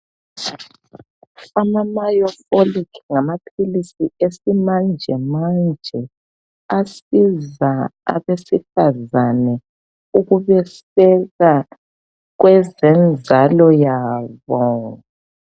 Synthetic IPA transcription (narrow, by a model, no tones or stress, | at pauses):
amamajɔfolikŋamapʰilisiesimand͡ʒʱɛmand͡ʒʱɛ | asizaa̰βesifazanɛ | uɣuβɛs | ɛɣa | ɣwɛzɛnd͡zʱalɔjaːβɔ